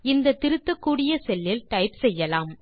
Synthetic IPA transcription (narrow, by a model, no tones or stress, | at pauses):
ɪnd̪ɐt̪ɪɾɯt̪ːɐkːuːɽɪjɐsɛlːɪlʈ̪ɐɪpsɛjːɐlaːm